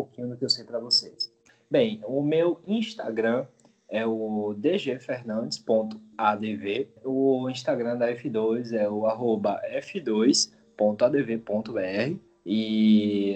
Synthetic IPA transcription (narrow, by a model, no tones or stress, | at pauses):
pokĩɲ̃ʊd̪ʊkɪewsejpɾɐvosejs | bẽj̃ʊmewĩʃt̪a̰ɡɾɐ̃ | ɛʊd̪eʒefeɾnɐ̃nd̪ɪspõnt̪ʊ̥ad̪eveʊĩʃt̪aɡɾɐ̃d̪ɐɛfid̪ojzɛʊaɦobɐʔɛfid̪ojs | põnt̪ʊad̪evepõnt̪ʊbeɛhɪ | i